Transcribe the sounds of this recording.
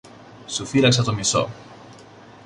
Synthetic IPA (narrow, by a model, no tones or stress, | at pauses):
sufilɐksɐt̪omiso̰